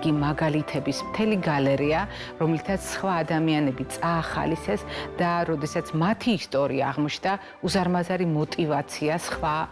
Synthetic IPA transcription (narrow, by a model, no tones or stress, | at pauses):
ɡimaɡalit̪ʰɛbismt̪ʰɛliɡalɛɾia | ɾɔmlit̪ʰat̪sʰːχwaːd̪amianɛbit̪sʼaːχa̰lisɛsd̪̥aɾɔd̪ɛsat̪sʰmat̪ʰiːst̪ʼɔɾḭa̰ːʁmɔt͡ʃʰnd̪a | uzaɾmazaɾimɔt̪ʼivat̪sʰiasχwa